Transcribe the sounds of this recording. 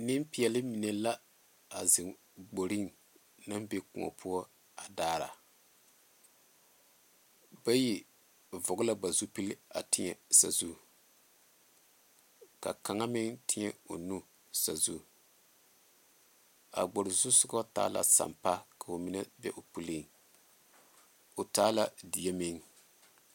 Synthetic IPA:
nɪ˦mpi˨ɛ˨lɪ˦mi˨nɛ˨la˦ | a˨zɪ˨ | ɡ͡bo˨ɾi˦ŋ | na˦mbe˦kʊ˨ŋɔ̰˨pʰʊ˦ɔ˦ | a˨daː˦ɾa̰˨ | ba˦ji˨ | vɔ˨ɡʊ˦la˦ba˨zu˦pi˦lɪ˦a̰˨tɪ˦ɲɛ̰˨sa̰˨zu˦˨ | ka̰˨ka˨ŋa˦mɪ˦ŋtʰɪ˦ɲɛ˦o̰˨nu˦ | sa˨zu˦ | a̰˨ɡ͡bɔ˨ɾɪ˨zʊ˦sʊ˦ɡɔ˦ta̰ː˦la̰˨sa̰˨mpa˦ka˨o˨mi˦na˦bɛ̰˦ʔo˨pu˦li˦˨ŋ | o˨taː˦la˦di˨ja˦mɪ˦ŋ

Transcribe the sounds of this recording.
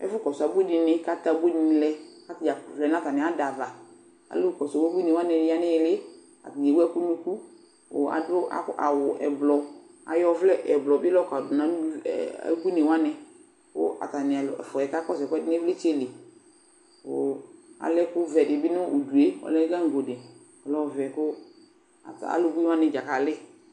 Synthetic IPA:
ɛ̰˦fʊ˦kɔ˨sa˨˦bu˦dɪ˧nɪ˦ka˦ta˨˦bu˦di˨n˨˦lɛ˦ka˦tɪ˨a˨vlɛ˨na˦ta˨nɪ˨a˨˦da˨va˨ | a̰˨lʊ˦˨kɔ˨sɡi˦ne˨wa˦nɛ˨dɪ˦a˦nɪ˦jlɪ˦ | a̰˨ti˨je˨wu˦ɛ˦ku˦nu˦ku˦ | o̰˨a̰˨dʊ˦a̰˨˦a̰˨wʊ˨ʔɛ̰˨blɔ˨ | a̰˨jɔ˦vlɛ˦ɛ˨blɔ˨bɪ˦lɔ˦ka˨dʊ˨na̰˨˦˨a̰˨˦ɡu˦ne˨wa˦nɛ˧ | kʊ̰˦a̰˨ta˨nɪ˨a˨fɔ˨ɛ˨ka˦kɔ˦s̬ɛ˨kɛ˦dɪ˦nɪ˦vlɪ˦t͡ʃe˦˨le˨ | o̰˨a̰˨lɛ˦kʊ˦vɛ˨dɪ˨bɪ˦nʊ˦u˨du˨e˦ɔ̰˨lɛ˦ɡa˦ŋ̩˨ɡo˨dɛ˨ | ɔ˨lɔ˦vɛ˨kʊ˦ | a˨ta̰˨lʊ˦ɡu˦wa˦nɪ˨d͡ʒa˨ka˨lɪ˦

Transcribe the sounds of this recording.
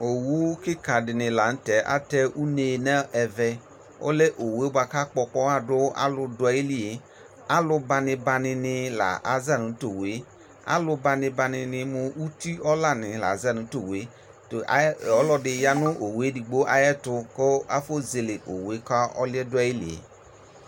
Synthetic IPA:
o˨wu˦kɪ˦ka˨dɪ˨nɪ˨la˨n̩˦tɛ˨ʔa̰˦tɛ˦u˦ne˨nɛ˦ɛ˨vɛ˧ | o̰˦le˦ʔo˨we˦ba˧ka˦k͡pɔ˧k͡pɔ˦a˦˨dʊ˦a̰˦lʊ˧dʊ˨˦a˨ji˦li˦˨e˨˦ | a˦lʊ˧ba˧nɪ˧ba˧nɪ˧nɪ˧la̰˨ʔa˨za˦˨nu˨˦to˨we˨˦ | a̰˦lʊ˦ba˧nɪ˧ba˧nɪ˧nɪ˧mʊ˧u˦ti˦ɔ˦la˦nɪ˨la̰˨a˨za˦˨nũ˨˦to˨we˨˦ | tɔ˦lɔ˦dɪ˨ja˦nʊ˦ʔo˨we˦di˨ɡ͡bo˦ʔa˦jɛ˦tʊ˧ko˦a˦fo˦ze˨lɪ˨ʔo̰˨we˨˦ka˦ɔ̰˦lɪ˦ɛ˦dʊ˦a˦ji˦lḭ˨ḛ˨˦

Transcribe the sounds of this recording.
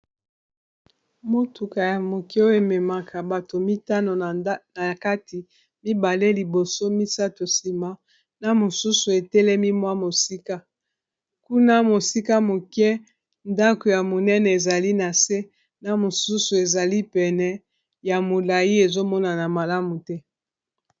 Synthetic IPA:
mo˦tʰu˨ka˨ja˨mo˨kɛ˦o˦e˨mɛ˨ma˨kʰa˨ba˨to˨mi˦ta˦no˨˦na˨ka˦ti˨ | mi˦ba˨le˦li˨bo˨so˦mi˦sa˦to˨si˨ma˨ | na˨mo˨su˦su˨e˨tɛ˦lɛ˦mi˦mwa˦mo˨si˦ka˦ | ku˦na˦mo˨si˦ka˦mo˨kɛ˦ | nda˦ko˨ja˨mo˨nɛ˦nɛ˨e˨za˨li˦na˨se˦ | na˨mo˨su˦su˨e˨za˨li˦pɛ˨nɛ˨ | ja˨mo˨la˨ji˦e˨zo˦mɔ˦na˨na˨ma˨la˦mu˨tɛ˦

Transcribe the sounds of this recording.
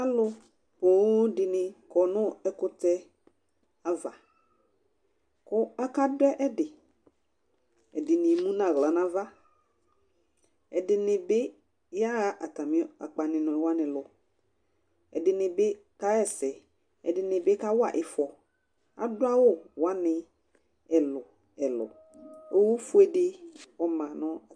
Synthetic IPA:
a˦lʊ˦ | po˨˦dɪ˨nɪ̃˨kɔ˨nʊ̃˦ɛ˦kʊ˦tɛ˦ | a˨va˨ | kʊ˦a˦ka˦dʊ˦ɛ˦ʔɛ˦dɪ˨ | ɛ˨dɪ˨nɪ˨mũ˦nã˨ɣla˨˦nã˦va˦ | ɛ˨dɪ˨nɪ˨bɪ˦ | ja˦˨ʔa˨ta˨mɪ̃˦a̰˨k͡pa˨nɪ̃˨nɔ̃˨wa˦nɪ̃˨lʊ˨ | ɛ̰˨dɪ˨nɪ˨bɪ˦ | ka˦ɛ˨sɛ˨ | ɛ̰˨dɪ˨nɪ˨bɪ˦ka˦wa̰˨ʔɪ˨fɔ˨ | a̰˨dʊ˦a˦wʊ˦˨wa˦nɪ˨ | ɛ˨lʊ˨ | ɛ˨lʊ̰˨ | o˦wu˦fʊ˦ɛ˨dɪ˦ɔ˨mã˨nɔ̃˦˨

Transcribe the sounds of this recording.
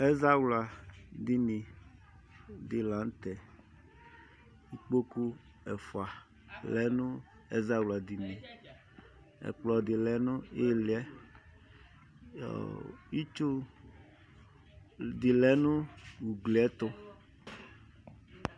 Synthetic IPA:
ɛ˦za˦wla˨d̪i˦nĩ˨ | d̪i˨la˨˦n˦t̪ɛ˨ | i˦k͡po˦ku˦ | ɛ˨fo˨a˨ | lɛ˨˦nʊ̃˦ | ɛ̰˦za˦wla˨d̪i˨nĩ˨ | ɛ̰˨k͡plɔ˨d̪i˨lɛ˨˦nʊ̃˦e˦˨lɪ˨˦ɛ˦˨ | i˦t͡ʃo˦ | d̪i˨lɛ˨˦nʊ̃˦wu˨ɡli˨ɛ˦t̪ʊ˦

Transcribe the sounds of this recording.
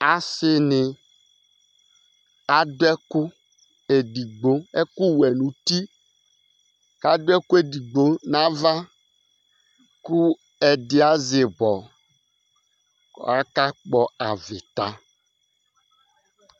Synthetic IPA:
a˨sɪ˦nɪ˨ | ka˨dʊ˦ɛ˦kʊ˦ | e˨di˨ɡ͡bo˨˦e˦ku˦wɛ˨nũ˨t̪i˦ | ka˨do˦ɛ˦ku˦e˨di˨ɡ͡bo˦nã˦va˦ | ku˦ | ɛ˨dɪ˨a˨˦zɪ˨bɔ˨ | a˦ka˦k͡pɔ˦a˨vɪ˨t̪a˨

